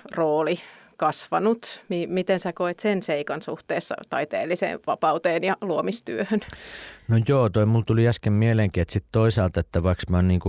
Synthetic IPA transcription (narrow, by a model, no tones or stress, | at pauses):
roːlikɑsʋɑ̰nut̪mimit̪ensækoet̪senseikɑnsuht̪eːsːɑ̰t̪ɑ̰it̪ḛːlːisḛːʋʋɑ̰pɑut̪eːnjɑluomist̪yøhønnojoːt̪oimult̪uliæskemmieleŋkiet̪sit̪t̪oisɑːlt̪et̪ːæʋɑiksmɑˑnniːŋku